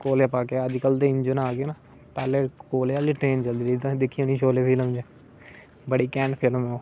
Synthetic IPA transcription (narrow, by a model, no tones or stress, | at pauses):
koːlepaːkeːəd͡ʒkəld̪eɪɲd͡ʒənaːɡeːnaː | pɛːleːkoːlealiːʈɾeːnt͡ʃəld̪iːɾit̪ãd̪ɪkʰːijãːniːʃoːleːpʰiːləmd͡ʒe | bəɽiːkɛ̃ːɳɖpʰɪlmõː